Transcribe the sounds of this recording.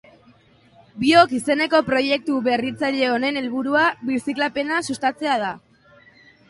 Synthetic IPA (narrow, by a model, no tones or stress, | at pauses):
bio̞kise̞ne̞ko̞pɾo̞je̞k̚t̪uβe̞rit͡saʎe̞o̞ne̞ne̞lβuɾuaβisiklape̞nasust̪at͡se̞að̞a